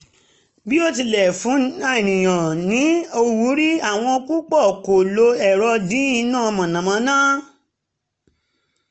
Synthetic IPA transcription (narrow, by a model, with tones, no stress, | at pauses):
bi˦o˦˨ti˧lɛ˨fũ˨˦a˦e˨nĩ˨j̃ã˨nĩ˨˦o˧wu˨˦ɾi˦a˦˨w̃ɔ̃˧o˧ku˦k͡pɔ˦˨ko˨lo˧ɛ˨ɾɔ˧dĩ˨˦ĩ˧nãː˦˨˧mã˨nã˨mã˧˦nãː˦